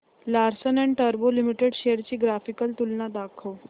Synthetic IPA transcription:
laɾsənɛɳʈəɾbolimiʈeɽɕejəɾt͡ɕiːɡɾafikəlt̪ulnad̪akʰəʋ

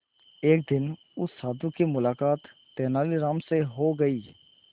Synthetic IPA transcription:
eːk̚d̪ɪn | ʊsːaːd̪ʊkemʊlaːkaːt̪ː | ɛːnaːliɾaːmseɦoɡɐiː

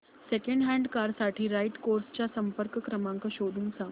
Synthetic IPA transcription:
sekẽɳɖɦæ̃ɳɖkaɾsaʈʰiːɾajʈkoɾst͡ɕjasəmpəɾkkɾəmaŋkəɕod̪ʱuːnsa

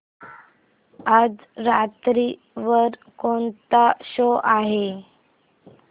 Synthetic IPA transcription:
ad͡z | ɾat̪ɾi | ʋəɾ | kont̪aɕoʔaɦe

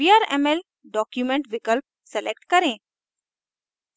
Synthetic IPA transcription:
iaːɾḛmel | ɖɔːkjumẽɳʈʋikəlp̚ | sɛlek̚ʈkəɾẽ

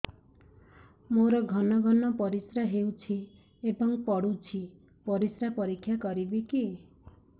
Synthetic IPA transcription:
moɾɔɡʱɔnɔɡʱɔnɔpɔɾisɾaɦewt͡ʃʰi | ebɔŋpɔɽut͡ʃʰi | pɔɾisɾapɔɾikʰːjakɔɾibiki

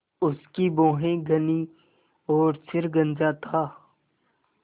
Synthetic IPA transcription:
ʊskibõːɦẽɡəniː | ɔːɾsʰɪɾɡə̃nd͡ʒaːt̪ʰaː

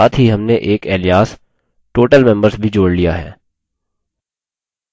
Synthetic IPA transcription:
aːt̪ɦiɦɐmneʔeːkɛːlijaːs | ʈoːʈəlmɛ̃mbəɾsbʱid͡ʒoːɽlijaɦɛ̰ː

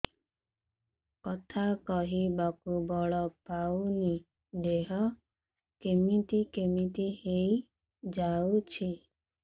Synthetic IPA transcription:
kɔt̪ʰakɔɦibakubɔɭɔpawni | deɦɔ | kemitikemitihei | d͡ʒawt͡ʃʰi

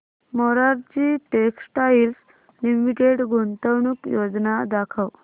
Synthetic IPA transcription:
mɔɾaɾt͡ɕiːʈeksʈails | limiʈeʈɡʱont̪əwɳukjod͡znad̪akʰəw

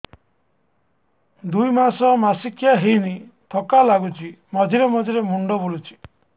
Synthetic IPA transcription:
d̪ujmasɔmasikʰjaɦejnit̪ʰɔkalaɡut͡ʃimɔd͡ʒʱiɾemɔd͡ʒʱiɾemuɳɖɔbolut͡ʃʰi̥

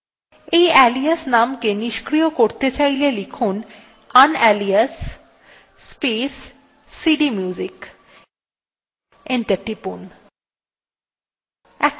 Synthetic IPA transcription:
ejɛliasnamkeniʃkɾijokoɾt̪et͡ɕajlelikʰun | anɛliasː | pesː | iɖimjud͡ʑik | eɳʈeɾʈipun | ɛk

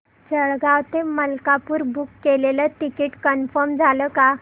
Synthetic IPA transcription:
d͡zəɭɡaʋt̪eməlkapuːɾbukːelelət̪ikiʈkənfəɾmd͡zʱaləka

